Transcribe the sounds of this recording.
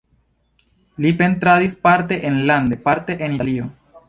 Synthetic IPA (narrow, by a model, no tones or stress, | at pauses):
lipe̞nt̪ɾadispaɾte̞ʔenland̪e̞paɾte̞ʔenialio̞